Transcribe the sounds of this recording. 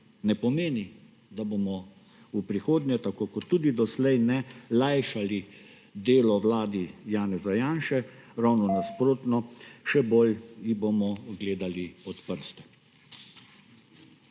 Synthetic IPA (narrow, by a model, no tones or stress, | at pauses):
nɛpɔmeːni | d̪abomɔ | upɾixoːd̪nʲjɛt̪akoːkɔt̪ːuːd̪id̪ɔslɛjnɛlajʃali | d̪eːlɔwlaːd̪ijaːnɛzajaːnʃɛɾawnɔnaspɾoːt̪nɔʃɛboːljibomɔɡleːd̪aliɔt̪pəɾst̪ɛ̥